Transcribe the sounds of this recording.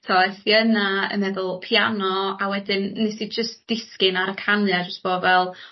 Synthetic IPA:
tʰɔθjənaə̰nmɛðʊlˠpʰjanɔawɛdɪnːɛsid͡ʒəstd̥ɪskɪnaɾəkʰanɨad͡ʒəstb̥oːvɛlˠ

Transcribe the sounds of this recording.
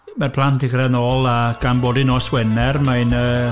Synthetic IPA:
marpʰlˠantʰɪχrɛnɔːlˠaɡ̥amboːdinɔswɛnɛrmajnəː

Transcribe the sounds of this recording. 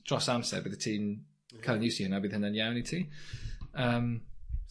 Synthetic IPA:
d̥ɹ̥ɔsamsɛ̰bɪðətʰiːm | kʰələnjʉsiənabɪðənənjawnitʰiː | əm

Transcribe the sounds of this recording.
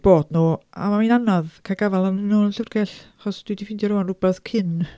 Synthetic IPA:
b̥oːdnuːa̰maminanɔðkʰaɡavalˠannonɬəvrɡɛɬaχɔsd̥widifɪndjɔɾʊwanʊbɛθkʰɪn

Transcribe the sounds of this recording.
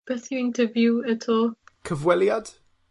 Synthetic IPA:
b̥ɛθjəɪ̃ntʰəvjuətʰɔːlˠkʰəvwɛljad̥

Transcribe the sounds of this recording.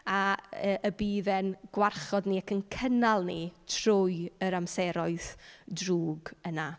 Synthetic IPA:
aəʔəbiːðɛnɡ̥warχɔdniakʰənkʰənalˠnitʰrʊjəɾamsɛɾɔɨθdruːɡəna

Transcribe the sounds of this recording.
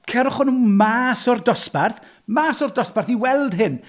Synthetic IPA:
kʰɛɾʊχɔnumaːsɔrdɔsparθ | maːsɔrdɔsparθiwɛlˠd̥ɦɪn

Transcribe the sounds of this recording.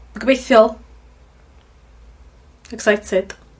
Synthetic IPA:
əɡbejθjɔlˠ | ɛksajtʰɪd̥

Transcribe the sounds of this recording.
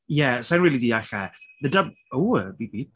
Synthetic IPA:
jɛsaɪ̃nɹiːlˠidiːaɬɛðədʌb̚owbibi

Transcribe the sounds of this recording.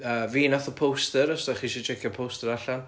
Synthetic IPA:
əːviːnaθɔpʰowstəɾɔsdaχiːʃit͡ʃʰɛkʰjapʰowstəɾaɬan

